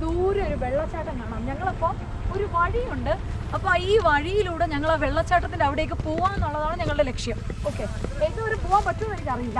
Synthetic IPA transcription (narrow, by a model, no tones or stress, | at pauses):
d̪uːɾo̞ɾuʋe̞ɭːɐt͡ɕːaːʈːɐmkaːɳamɲɐŋːɐɭopːom | o̞ɾuʋɐɻijuɳɖɨ | ɐpːoːiːʋɐɻijiluːɽɨɲɐŋːɐɭeʋe̞ɭːɐt͡ɕːaːʈːɐt̪ːilɐʋiɽeːk̬ːɨpoːʋaːme̞nːuɭːɐðaːɳɨɲɐŋːɐɭɨɽe̞le̞kʂjɐm | o̞ːkːeend̪ɨɐɾupoːʋaːmpɐtːumʋɐnikːɐrijilːɐ